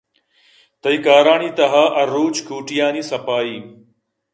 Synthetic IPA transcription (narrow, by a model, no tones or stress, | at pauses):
t̪ɐiːkaːɾaːɳiːt̪ɐɦaːʔɐɾːuːt͡ʃkuːʈijaːniːsɐpaːiː